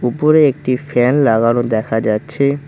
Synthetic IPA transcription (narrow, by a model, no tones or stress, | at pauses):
upoɾeek̚ʈifɛnlaɡanod̪ɛkʰad͡ʑatːɕʰe